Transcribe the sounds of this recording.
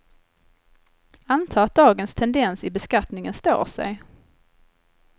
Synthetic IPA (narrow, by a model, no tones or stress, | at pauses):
ant̪ʰɑːat̪̚d̪ɑːɡənst̪ʰɛnd̪ɛnsɪbɛskat̪nɪŋənst̪o̰ːsɛ̰j